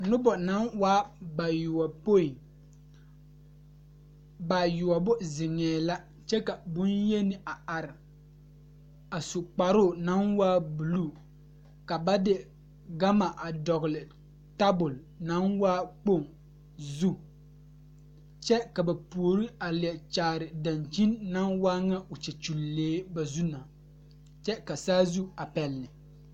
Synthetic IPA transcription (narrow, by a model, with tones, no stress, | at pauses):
nʊ˦bɔ˨na˨˦nwaː˦ba˨jʊ˨wa˨po˦i˨ | ba˨jʊ˨wa˨bʊ˦zɪ˨ŋɛː˨la˦ | t͡ʃɛ˦ka˨bʊ˦nje˦nɪ˨a˨a˨ɾɪ˨ | a˨sʊ˨k͡pa˨ɾʊ˦˨na˨˦nwaː˦bu˨lu˦˨ | ka˨ba˦dɪ˦ | ɡa˦ma˨ʔa˨dɔ˨ɣlɪ˨ | ta˦bʊ˨l | na˦nwaː˦k͡po˦˨ŋ | zu˦ | t͡ʃɛ˦ka˨ba˨pu˨o˨ɾi˦a˨lɪ˨ɛ˨t͡ʃaː˨ɾɪ˨da˨nt͡ʃi˦nːa˦nwaː˦ŋa˦ʊ˨t͡ʃɛ˨t͡ʃu˨lːeː˨˦ba˨zu˦na˨ | t͡ʃɛ˦ka˨saː˦zu˦a˨pɛ˨lnɪ˨